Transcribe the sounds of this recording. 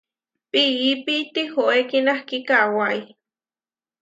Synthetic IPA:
piipit̪ihoekinahkikawai

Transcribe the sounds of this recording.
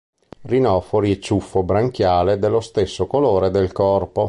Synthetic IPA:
rinɔfoɾiet͡ʃːufːobɾaŋkjaːled̪elːost̪esːokoloːɾed̪elkɔrpo

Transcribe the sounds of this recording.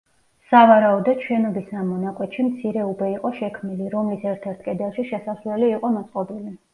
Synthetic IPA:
savaɾaɔd̪ɔt͡ʃʰwɛnɔbisnamɔnakʼwɛt̪ʃimt̪sʰiɾɛubɛiqʼɔʃɛkʰmniliɾɔmlisɛɾt̪ʰɛɾt̪ʰkʼɛd̪ɛlˠʃiʃɛsasvlɛliːqʼɔmɔt̪sʼqʼɔbili

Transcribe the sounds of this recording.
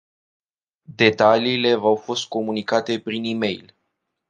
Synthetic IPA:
d̪e̞t̪aliːle̞vawfo̞st̪̚ko̞munikat̪e̞pɾinime̞̰jl

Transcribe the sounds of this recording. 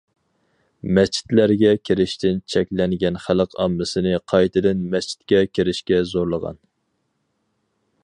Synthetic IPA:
mɛst͡ʃʰi̥t̪læɾɡʲɛkʲʰeɾɪʃt̪ʰɪnt͡ʃʰɛkʲlɛŋɡʲɛnχæləqʰɑmːɨsɨnɨqʰɑjt̪ʰɨd̪ɨnmɛst͡ʃʰi̥t̪̚kʲɛkʲʰeɾɪʃkʲɛzoɾlˠəʁɑ̰n

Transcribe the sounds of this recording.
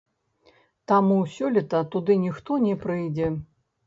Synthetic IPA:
t̪amusʲɔlʲit̪ɐt̪ud̪ɨnʲixt̪ɔnʲɛpɾɨjd͡zʲɛ

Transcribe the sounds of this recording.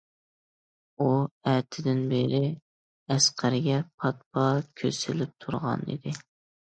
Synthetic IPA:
uɛt̪ʰɪd̪ɪnbeɾɪ | ɛsqʰæɾɪɡʲɛpʰɑt̪̚bɑkʲʰø̰sɪlɪp̚t̪ʰuɾʁɑ̰nḭd̪ɪ

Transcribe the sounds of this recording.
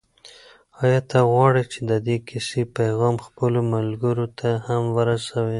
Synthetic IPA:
ɑjɑt̪aɣwɑɽit͡ʃed̪əd̪ekisepajɣɑmxpəlomalɡəɾot̪ʰahamwəɾasawi

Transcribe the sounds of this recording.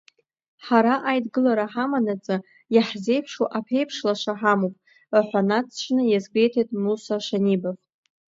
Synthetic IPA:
ħaɾaʔajdɡɨlaɾaħamanat͡sʼa | jaħze̞jpʰʂoʔapʰe̞jpʰʂlaʂʷaħamopʼ | ħʷanat͡sʰt͡ʃʷʰnɨjazɡʷʼejtʰejtʼmusaʃanibaf

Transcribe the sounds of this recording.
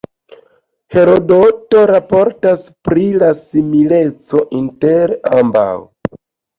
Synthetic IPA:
he̞ɾo̞dotoɾapo̞ɾtaspɾilasimile̞t͡so̞ʔinte̞ɾamba̰w

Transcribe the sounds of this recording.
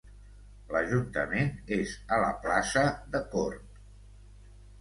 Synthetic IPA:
ləʒunt̪əmenezələplasəðəkort̪

